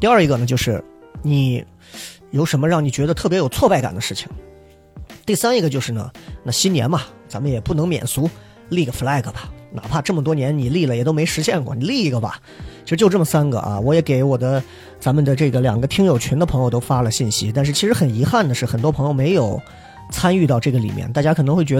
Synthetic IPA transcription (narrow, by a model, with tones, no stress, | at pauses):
t̪i˥˧ə˞˥˩i˧˥ɡə˧nə˩t͡ɕjo˥˧ʊʂɻ̩˥˩ni˨˩˦ | jo˨˩ʊʂə˧˥nmə˧ɻɑ˥˩ŋni˨˩t͡ɕɥɛ˧˥d̪ə˧t̪ʰɤ˥˩p̬jɛ˧˥jo˨˩ʊt͡sʰwɔ˥˧pa˥˩ɪka̰˨˩nd̪ə˦ʂɻ̩˥˩t͡ɕʰi̥˨˩ŋ | t̪i˥˩sa˥ni˧˥ɡə˧t͡ɕjo˥˧ʊʂɻ̩˥˩nə̰˩na˥˩ɕi˥njɛ̰˧˥nbɐ˨ | t͡sa˧˥mə˨njɛ˨˩pu˥˩nɤ˧˥ŋmjɛ̰˨˩nsu˧˥ | li˥˩ɡə˩fla˥˩ɪɡə˩bɐ˨na̰˨˩pʰa˥˧ʈ͡ʂɤ˥˩mə˩t̪wɔ˥njɛ˧˥nni˨˩li˥˩lə˩jɛ˨˩t̪o˥ʊme˧˥ɪʂɻ̩˧˥ɕjɛ˥˧nkwɔ˥˩ni˨˩li˥˩i˧˥ɡə˩bɐ̰˨˩ | t͡ɕʰi˥ʂɻ̩˧t͡ɕjo˥˧ʊʈ͡ʂɤ˥˩mə˩sa˥nɡə̰˨ʔɐ̰˧wɔ˧˥jɛ˧˥ke˧˥ɪwɔ˨˩d̪ə˦ | t͡sa˧˥nmə˨nd̪ə˩ʈ͡ʂɤ˥˩ɡə˩ljɑ̰˨˩ŋɡə˦t̪ʰi˥ŋjo˨˩ʊt͡ɕʰɛ˧˥nd̪ə˧pʰɤ˧˥ŋjo˧ʊt̪o˥ʊfa˥lə˨ɕi˥˩nɕi˥t̪a˥˧nʂ̬ɻ̩˥˩t͡ɕʰi˧˥ʂɻ̩˧˥xə˨˩ni˧˥xa˥˩nd̪ə˩ʂɻ̩˥˩xə˨˩nt̪wɔ˥pʰɤ˧˥ŋjo˧ʊme˧˥ɪjo˨˩ʊ | t͡sʰa˥ny˥˧t̪ɑ˥˧ʊʈ͡ʂɤ˥˩ɡə˩lḭ˨˩mjɛ̰˥˧nt̪a˥˩t͡ɕja˥kʰɤ˨˩nɤ˧˥xwe˥˩ɪt͡ɕɥɛ˧˥ə˧